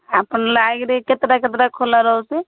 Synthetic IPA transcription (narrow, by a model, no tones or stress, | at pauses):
apənlaɡɾeket̪ɾaket̪ɾakʰolaɾəɦose